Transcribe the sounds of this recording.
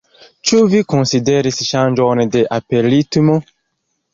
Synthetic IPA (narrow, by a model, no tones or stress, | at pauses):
t͡ʃuvikõnsideɾisʃãnd͡ʒɔndeʔapeɾitumo